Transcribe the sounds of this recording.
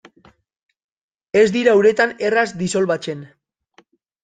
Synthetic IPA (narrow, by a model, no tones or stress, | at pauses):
e̞zd̪iɾaːwɾe̞t̪ane̞razd̪iso̞lβat͡ʃe̞n